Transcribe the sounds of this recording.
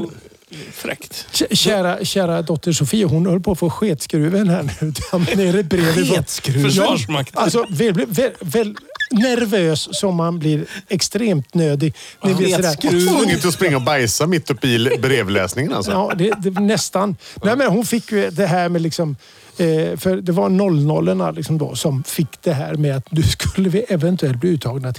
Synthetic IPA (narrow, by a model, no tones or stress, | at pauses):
fɾɛ̰kt̪ɕæːɾaɕæːɾad̪ɔt̪ʰːəʂʊfiːaɦʊnhœlːpʰoːfoːɧeːt̪skɾʉːvɪɛnːhæːɳʉʉːt̪ʰand̪ɛæɾɛt̪̚bɾeːvɪɔt̪skɾʉjɑːaals̬ɔvɛblɪvɛvɛlnæɾvøːsːɔmːanblɪɾɛkst̪ɾeːmt̪nøːd̪ɪɡnɛblɪɔd̪æːɾnɪt̪əɔspɾɪŋːaɔbajsamɪt̪ːɵpːɪbɾeːvlɛ̰ːsnɪŋəna̰lsɔɑːd̪ɛd̪ɛnɛst̪anmɛnjameːnaɾhʊnfɪkːjɵd̪ɛɦæːɾmɛlɪksɔm | fœɾd̪ɛvaɾnɔlːnɔlːəɳa̰lɪksɔmd̪o̰ːsɔmfɪkːd̪̥ɛɦæːɾmɛat̪d̪ɵskɵlːəvɪʔɛvɛnt̪ʰɵɛlt̪bliːʉ̟ːt̪ʰːɑːɡnat̪ʰ